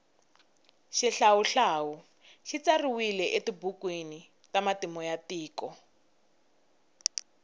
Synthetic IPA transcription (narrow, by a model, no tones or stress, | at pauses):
ʃiɬawuɬaːwu | ʃit͡sariwilɛʔetibukwini | tamatimɔjatiːkɔ